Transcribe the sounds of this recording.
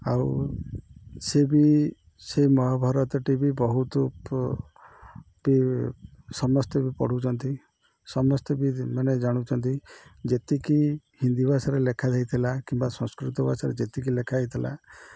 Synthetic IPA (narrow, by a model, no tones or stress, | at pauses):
a̰w | sebi | semɔɦɔbʱɔɾɔt̪ɔʈibibɔɦut̪ɔ | bi | sɔmɔst̪ɔbipɔ̰ɽ̤ut͡ʃʰɔnt̪i | sɔmɔst̪ɔbimaned͡ʒaɽ̃ut͡ʃʰɔnt̪id͡ʒet̪iki | hind̪ibasaɾelekʰad̪ajt̪ʰilakimbasɔ̃skɾit̪ɔbasaɾed͡ʒet̪ik̬ilekʰajt̪ʰila̰